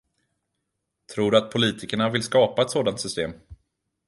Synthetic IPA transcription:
t̪ʰɾuːɖɵat̪̚pʰʊliːt̪ʰɪkəɳavɪlskɑːpaɛt̪soːd̪ant̪sʏst̪eːm

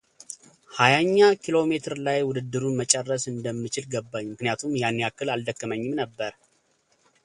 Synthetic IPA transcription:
hajaɲːakʰilo̞me̞t̪ʰɨɾlajwʊd̪ɨd̪ːɨɾunmət͡ʃʼərːəsɨnd̪əmːɨt͡ʃɪlɡəbːaɲːmɨknijat̪ʰumjanːiakːɨlald̪əkːəməɲːɪmnəbːəɾ

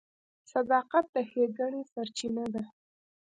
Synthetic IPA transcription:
sad̪ɑqat̪̚d̪əxeɡaɳesaɾt͡ʃinad̪a

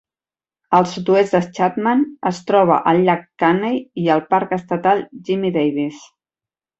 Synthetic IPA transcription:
əlˠsut̪uezd̪ət͡ʃat̪manəst̪ɾɔβ̞ə̰ʔəlʎːakːanejiəlˠpaɾkəst̪ət̪alˠʒimiðejβis

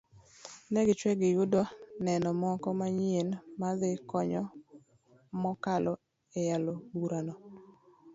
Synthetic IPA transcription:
nɛɡɪt͡ʃwɛɡɪjudɔnɛnɔmɔkɔmaɲienmaðɪkɔɲɔ | mɔkalɔ | ejalobuɾanɔ

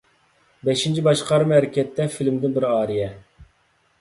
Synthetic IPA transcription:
bɛʃint͡ʃʰibɑʃqɑɾɨmɛɾɪkʲɛt̪ʰːɛfilmd̪ɪnbɪɾɑːɾijɛ

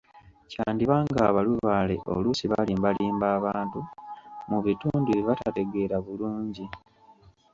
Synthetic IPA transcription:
caːndiβaːŋɡaːβaluβaːle̞̰ʔo̰lusiβaliːmbaliːmbaːβaːntumuβituːnduβiβatate̞ɡe̞ɾaβuluːɲɟi

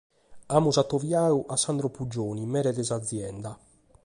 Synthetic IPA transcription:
aːmuzat̪ːovjaːuʔasːand̪ɾɔpud͡ʒːoːnimɛːɾɛd̪ɛzad̪zːjɛnd̪a

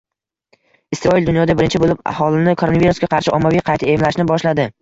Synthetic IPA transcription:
ɪsɾɒɪld̪ʊnjɒd̪abɪɾɪnt͡ʃʰɪbolɪpa̰hɒlˠɪnɪkʰoonaviɾusɡʲaqʰɑɾʃɪʔɒmːavijqʰɑjt̪ʰaemlaʃnɪbɒʃlad̪ɪ

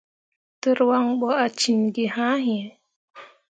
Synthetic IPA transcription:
tuɾwaŋɓɔat͡ʃinɡihaɦi

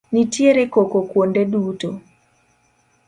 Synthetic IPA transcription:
nitjeɾekokokwondeɗuːto

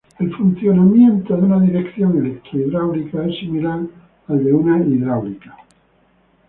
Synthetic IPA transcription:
elfun̟θjonamjẽnt̪oðeunaðiɾekθjoŋelek̚t̪ɾoiðɾawlikaesːimilaɾ | ald̪eunaiðɾawlikḁ

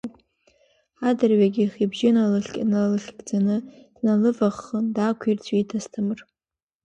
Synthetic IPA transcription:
adɨrɥaɡʲiχibʒɪnalɨɬʲkʲʼanalɨɬʲɡʼd͡zanɨd̥nalɨvaχːəndakʷʰirt͡sʷʰitʰastʰɨmɨr

